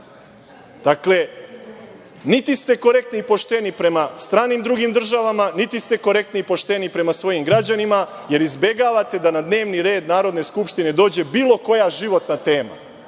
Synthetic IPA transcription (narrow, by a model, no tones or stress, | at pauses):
d̪̥akle̞ | nit̪ist̪e̞ko̞ɾe̞k̚t̪niipo̞ʃt̪e̞nipɾe̞mast̪ɾaːnimd̪ɾuɡimd̪r̩ʒaʋamanit̪ist̪e̞ko̞ɾe̞k̚t̪niipo̞ʃt̪e̞nipɾe̞masʋo̞jimɡɾad͡ʑanima | je̞ɾizbe̞ɡaʋat̪e̞d̪anad̪ne̞ːʋniɾe̞ːd̪naːɾo̞d̪ne̞skupʃt̪ine̞d̪o̞ːd͡ʑe̞biːlˠo̞ko̞jaʒiʋo̞t̪nat̪e̞ːma̰